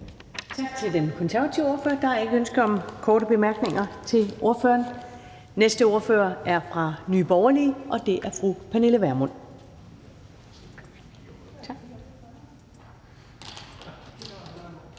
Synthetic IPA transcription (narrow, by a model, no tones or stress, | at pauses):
t͡sʰɑ̈ɡ̥̚t͡sʰe̝ld̥enkʰɒ̽nsæɐʋæt͡sʰiʊo̝ɐfø̰ːɐd̥ɑ̈ɑe̝ɡ̥əønsɡ̥əɒ̽mkʰɒːɾəb̥e̝mæɐɡ̥ne̝ŋɐt͡sʰe̝lʔo̝ɐfø̰ːɐːn | nesd̥əo̝ɐfø̰ːɐʔæɐfʁɑ̈nyːb̥ɒʊɐliːʔɒ̽d̥e̝ʔæɐfʁupʰæne̝ləʋæɐmɔn̰